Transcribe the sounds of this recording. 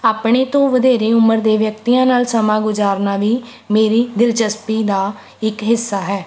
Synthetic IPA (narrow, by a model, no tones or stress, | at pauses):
aːpɳ̃eːt̪õːʋəd̪eːɾeːʊməɾd̪eːʋjək̚t̪iːãːnaːlsəmãːɡʊzaːɾnaːʋiː | meːɾiːd̪ɪlt͡ʃəspiːd̪aː | ɪkɦɪsːaːɦɛː